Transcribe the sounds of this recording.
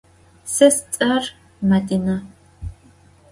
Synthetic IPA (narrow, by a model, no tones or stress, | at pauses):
sɐst͡sʼɐr | mɐdinɐ